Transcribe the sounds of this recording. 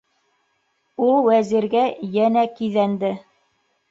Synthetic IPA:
ulˠwæziɾɡæjænækiðænd̪ɘ

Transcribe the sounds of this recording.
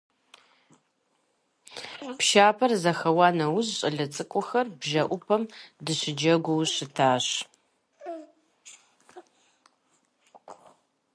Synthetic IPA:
pʃaːpʰɐrzɐxɐwɑːnɐwʊʑɕʼɐɮɐt͡sʼɨkʷʼʊxɐrbʒɐʔʷʊpʰɐmdɨɕɪd͡ʒɐɡʷʊwɕɪtʰaːɕ

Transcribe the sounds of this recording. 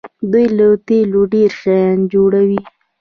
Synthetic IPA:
d̪ujlət̪eloɖeɾʃajɑnd͡ʒoɽawi

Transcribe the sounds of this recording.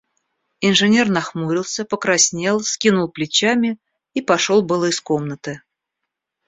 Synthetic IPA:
ɪnʐɨnʲe̞rnɐxmuɾʲɪlˠsʲəpəkɾɐsʲnʲe̞lˠsʲkʲinʊlˠplʲɪt͡ɕamʲɪ | ipɐʂo̞lˠbɨlˠəɪsko̞mnət̪ɨ

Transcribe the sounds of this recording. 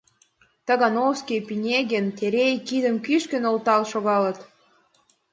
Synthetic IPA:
t̪ə̆ɣɑnowskʲijpinʲeɣent̪eɾejkid̪ə̆mkyʃkə̆nolt̪ɑlʃoɣɑlɤ̆t̪

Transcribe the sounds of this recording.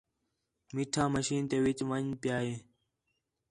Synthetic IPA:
miʈʰãːməɕiːnt̪ewit͡ɕʋənpjaːɦeː

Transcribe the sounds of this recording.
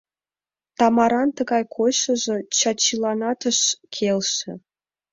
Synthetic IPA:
t̪ɑmɑɾɑnt̪ə̆ɡɑjkʰoɕɤ̆ʒɤ̆t͡ɕɑt͡ɕilˠɑnɑt̪ə̆ʃkʲʰelʲʃĕ

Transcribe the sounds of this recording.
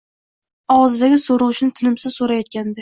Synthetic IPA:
ɒʁɑzd̪aɡʲɪsoɾɨʁɨʃnɪt̪ʰɪnɪmsɪz̥soɾajɒt̪̚kʲʰand̪ɪ

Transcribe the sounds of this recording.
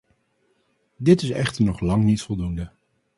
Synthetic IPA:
dɪtɪsɛχtəɹnɔχlɑŋnitfɔlˠdundə

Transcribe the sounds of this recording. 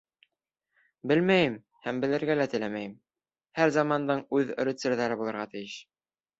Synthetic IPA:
bɘlmæjɘm | hæmbɘ̆lɘ̆ɾɡælæt̪ɘ̆læmæjɘm | hæɾzɑmɑnd̪ɤɴʉðɵ̰̆ɾɘ̆t̪sɘ̆ɾðæɾɘbulˠɤ̆ɾʁɑt̪ɘ̆jɘʃ

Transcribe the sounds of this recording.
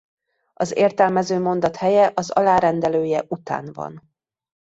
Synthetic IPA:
ɒzeːrt̪ɛlmɛzøːmo̞nd̪ɒt̪hɛjɛʔɒzɒlaːɾɛnd̪ɛløːjɛʔut̪a̰ːnvɒ̰n

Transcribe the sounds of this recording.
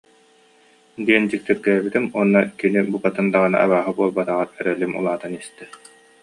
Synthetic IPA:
d̪iɛnd͡ʑik̚t̪iɾɡɛbit̪imuɔnːakinibukat̪ɯnd̪aʁɯna̰ʔa̰βaːɦɯbuɔlˠbat̪aʁaɾɛɾœlimṵlˠaːt̪ɯnist̪ɛ

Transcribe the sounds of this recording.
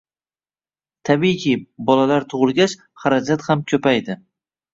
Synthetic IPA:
t̪ʰabijkʲʰɪbɒlalaɾt̪ʰʊʁɨlˠɡʲat͡ʃ | haɾad͡ʒat̪hamkʲʰɵpajd̪ɪ

